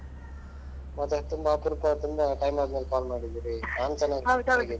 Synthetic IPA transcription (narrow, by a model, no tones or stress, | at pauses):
mɐd̪ɐt̪ːumbapuɾupɐt̪umbɐʈɐjmaːd̪melpaːlmaːɽid̪iɾiaːnt̪ɐnakɡi